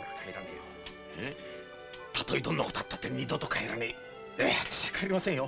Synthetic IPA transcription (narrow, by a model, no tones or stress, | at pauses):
ɡakaeɾanejo | e | t̪at̪o̞id̪õ̞nːako̞t̪oat̪ːat̪ːeɲʲid̪ot̪okaeɾanei | eβat̪ḁɕiakʰaɾʲimasẽjo